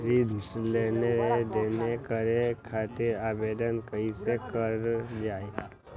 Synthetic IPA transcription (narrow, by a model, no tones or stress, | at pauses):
ɾid̪ʱsleːned̪eːnekəɾekʰaːt̪ɪɾaːbeːd̪ənkəisekəɾd͡ʒaːe